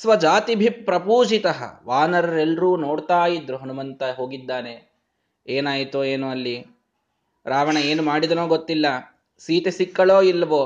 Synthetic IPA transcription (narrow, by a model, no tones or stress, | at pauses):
sʋɐd͡ʒaːt̪ibʱipːɾɐpuːd͡ʒit̪ɐɦɐ̰ʋaːnɐɾɐɾɛlːɾuːno̞ːɽt̪aːjid̪ɾuɦɐnumɐnt̪ɐɦo̞ːɡid̪ːaːne | eːnaːjit̪ueːnuɐlːi | ɾaːʋɐɳɐeːnumaːɽid̪ɐnoːɡot̪ːilːɐ | siːt̪esikːɐɭoːilːɐʋoː